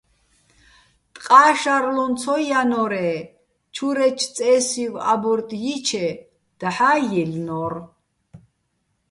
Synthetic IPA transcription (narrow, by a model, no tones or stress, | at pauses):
t̪ʼqʼaːʃaɾlɔnt͡sʰɔjanɔɾɛ | t͡ʃʰuɾɛt͡ʃʰt͡sʼɛːsiva̰buɾt̪ʼjit͡ʃʰɛ | d̪̥aħaːjɛlnɔr